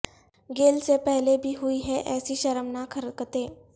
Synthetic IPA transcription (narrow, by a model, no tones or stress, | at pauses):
ɡelsepəɦlebʱiːɦuiːɦɛʔɛsiːɕəɾəmnakʰəɾkət̪e